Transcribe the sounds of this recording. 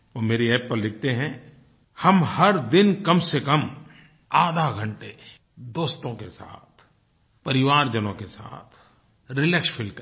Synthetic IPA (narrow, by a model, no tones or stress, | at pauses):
ʋoːmeːɾiɛːppəɾlɪk̚ʰt̪eɦɛ̃ | hɐmhɐɾd̪ɪnkɐmsekɐm | aːd̪ʱaɡʱə̃ɳʈe | d̪oːst̪õkesa̰ːt̪ʰ | pɐɾɪʋaːɾd͡ʒənõkesa̰ːt̪ʰ | ɾɪlɛːkspʰɪlk